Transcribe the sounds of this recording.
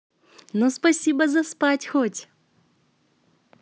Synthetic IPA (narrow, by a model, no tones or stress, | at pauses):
nuspɐsʲibəzɐspatʲxotʲ